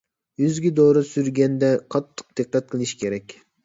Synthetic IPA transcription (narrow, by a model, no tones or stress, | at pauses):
jyzɡʲɪd̪oɾɨsyɾɡʲɛnd̪ɛqʰɑt̪ʰːə̥q̚d̪̥ɨqːɛt̪̚qʰɨlˠɨʃi̥kʲʰeɾɛkʲ